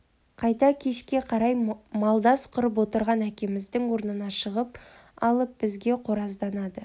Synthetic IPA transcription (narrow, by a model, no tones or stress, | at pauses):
qʰɑjt̪ɑkʲʰe̞ʃkʲe̞qʰɑɾɑjmɑlˠd̪ɑsqʰʊɾəp̬wo̞t̪əɾʁɑnækʲe̞mɪzd̪ɪŋwo̞ɾənənɑʃəʁəp̚ɑlˠəp̚b̥ɪzɡʲe̞qʰo̞ɾɑzd̪ɑnɑd̪ə